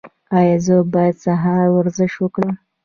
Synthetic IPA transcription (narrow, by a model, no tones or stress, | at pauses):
ɑjɑzəbɑjad̪saɦɑɾwaɾzɪʃwəkɽəm